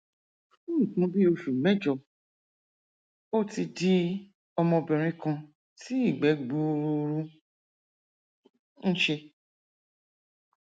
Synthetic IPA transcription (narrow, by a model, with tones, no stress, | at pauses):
ũ˦ũ˦˨kũ˧˦bi˦o˧ʃu˨mɛ˦d͡ʒɔ˧˨ | o˦ti˧di˦ | ɔ˧mɔ̃˧bɛ̃˨ɾ̃ĩ˧˦kã˧ | ti˦i˦˨ɡ͡bɛ˨˦ɡ͡bu˦˧ɾu˧ɾu˦ | n̩˦ʃe˧